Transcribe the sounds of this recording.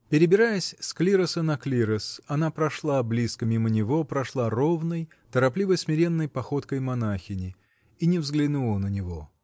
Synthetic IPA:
pʲɪɾʲɪbʲɪɾajəsʲsklʲiɾəsənɐklʲiɾəsɐnapɾɐʂlˠablʲiskəmʲimənʲɪvo̞pɾɐʂlˠaro̞vnəj | t̪əɾɐplʲivəjsmʲɪɾʲe̞nːəjpɐxo̞t̪kəjmɐnaxʲɪnʲɪ | inʲɪvzɡlʲɪnulˠənənʲɪvo̞

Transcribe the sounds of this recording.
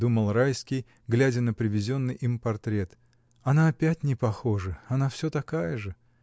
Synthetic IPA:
d̪uməlˠrajskʲɪj | ɡlʲædʲənəpɾʲɪvʲɪzʲo̞nːɨjʔimpɐrt̪ɾʲe̞t̪ | ɐnaɐpʲætʲnʲɪpɐxo̞ʐɨɐnafsʲot̪ɐkajəʐɨ

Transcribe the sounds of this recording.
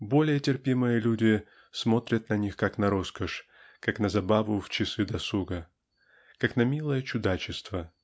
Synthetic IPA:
bo̞lʲɪjətʲɪrpʲimɨjəlʲudʲɪ | smo̞t̪ɾʲət̪nɐnʲixkaknɐɾo̞skəʂ | kaknɐzɐbavʊft͡ɕɪsɨd̪ɐsuɡə | kaknɐmʲilˠəjət͡ɕʊd̪at͡ɕɪst̪və

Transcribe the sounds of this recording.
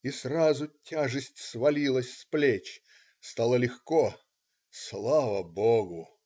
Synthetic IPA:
israzʊtʲaʐɨsʲtʲsvɐlʲilˠəsʲsplʲet͡ɕ | st̪ɑlˠəlʲɪxko | slˠavəboɡʊ

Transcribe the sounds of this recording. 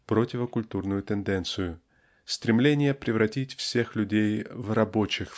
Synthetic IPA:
pɾotʲɪvəkʊlʲt̪urnʊjʊt̪ʲɨnd̪ɛnt̪sɨjʊ | st̪ɾʲɪmlʲenʲɪjəpɾʲɪvɾɐtʲitʲfsʲexlʲʉdʲejvrɐbo̞t͡ɕɪx

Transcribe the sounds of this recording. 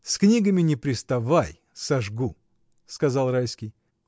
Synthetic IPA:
sknʲiɡəmʲɪnʲɪpɾʲɪst̪ɐvaj | sɐʐɡu | skɐzɑlˠrajskʲɪj

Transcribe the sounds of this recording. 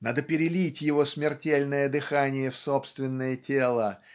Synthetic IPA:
nad̪əpʲɪɾʲɪlʲitʲjɪvo̞smʲɪrtʲelʲnəjəd̪ɨxanʲɪjəfsopst̪vʲɪnːəjətʲelˠə

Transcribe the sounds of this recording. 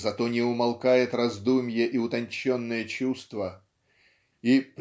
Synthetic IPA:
zɐt̪onʲɪʊmɐlˠkajɪt̪rɐzd̪umʲjəʔiʊt̪ɐnʲt͡ɕːonːɨjət͡ɕust̪və | ip

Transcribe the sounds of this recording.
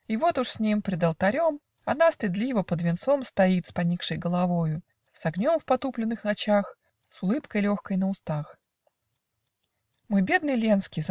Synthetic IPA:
ivo̞t̪ʊʂsʲnʲimpɾʲɪd̪əlˠt̪ɐɾʲo̞m | ɐnast̪ɨd̪lʲivəpəd̪vʲɪnt̪so̞mst̪ɐit̪spɐnʲikʂɨjɡəlˠɐvo̞jʊ | sɐɡnʲo̞mfpɐt̪uplʲɪnːɨxnɐt͡ɕax | sʊlˠɨpkəjlʲoxkəjnəʊst̪ax | mɨbʲed̪̚nɨjlʲenskʲɪjz

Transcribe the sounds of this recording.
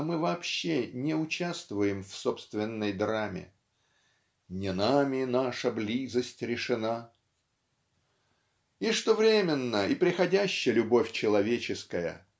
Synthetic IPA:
mɨvɐːpɕːenʲɪʊt͡ɕast̪vʊjɪmfso̞pst̪vʲɪnːəjd̪ɾamʲɪ̰ | nʲɪnamʲɪnaʂəblʲizəsʲtʲɾʲɪʂɨna | ɪʂt̪ovɾʲemʲɪnːəɪpɾʲɪxɐdʲæɕːɪjəlʲʊbo̞fʲt͡ɕɪlˠɐvʲet͡ɕɪskəjə̰

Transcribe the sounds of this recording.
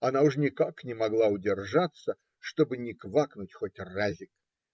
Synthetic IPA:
ɐnaʊʂnʲɪkaknʲɪmɐɡlˠaʊdʲɪrʐat̪sə | ʂt̪obɨnʲɪkvaknʊtʲxotʲrazʲɪk

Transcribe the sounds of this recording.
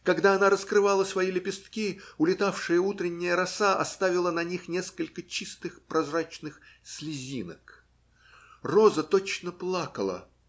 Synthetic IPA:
kɐɡd̪aɐnaɾəskɾɨvalˠəsʲvɐjilʲɪpʲɪst̪kʲiʊlʲɪt̪afʂɨjəut̪ɾʲɪnʲːɪjəɾɐsaʔɐ̰st̪avʲɪlˠənɐnʲixnʲe̞skəlʲkət͡ɕist̪ɨxpɾʔɐzrat͡ɕnɨxsʲlʲɪzʲinək | rozət̪ot͡ɕnəplˠakəlˠə̰

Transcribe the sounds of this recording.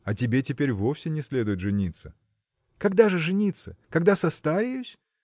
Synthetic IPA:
ɐtʲɪbʲetʲɪpʲeɾʲvo̞fsʲɪnʲɪsʲlʲe̞d̪ʊjɪt̪ʐɨnʲit̪sə | kɐɡd̪aʐɨʐɨnʲit̪səkɐɡd̪asɐst̪aɾʲɪjʊsʲ

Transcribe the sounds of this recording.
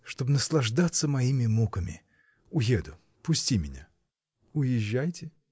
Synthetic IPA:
ʂt̪o̞bnəslˠɐʐd̪at̪sːəmɐimʲɪmukəmʲɪ̰ | ʊjed̪ʊ | pʊsʲtʲimʲɪnʲa̰ | ʊjɪʒːæjtʲɪ

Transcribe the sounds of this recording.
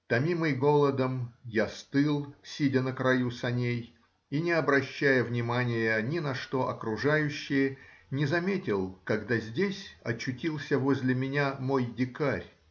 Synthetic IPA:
t̪ɐmʲimɨjɡo̞lˠəd̪əmjast̪ɨlˠsʲidʲənəkɾɐjusɐnʲej | inʲɪɐbɾɐɕːæjəvnʲɪmanʲɪjənʲɪnɐʂt̪o̞ʔɐkɾʊʐajʉɕːɪjənʲɪzɐmʲetʲɪlˠkɐɡd̪azʲdʲesʲɐt͡ɕːʊtʲilˠsʲəvo̞zʲlʲɪmʲɪnʲamo̞jdʲɪkarʲ

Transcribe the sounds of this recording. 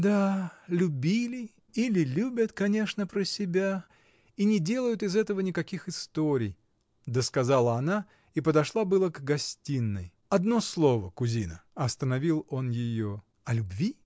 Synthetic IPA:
d̪alʲʉbʲilʲɪ | ilʲɪlʲubʲət̪kɐnʲe̞ʂnəpɾəsʲɪbʲa | inʲɪdʲe̞lˠəjʊt̪ɪzɛt̪əvənʲɪkɐkʲixɨst̪oɾʲɪj | d̪əskɐzalˠəɐna | ipəd̪ɐʂlˠabɨlˠəɡɡɐsʲtʲinːəj | ɐd̪no̞slˠo̞vəkʊzʲinəɐst̪ənɐvʲilˠo̞njɪjo | ɐlʲʉbvʲi

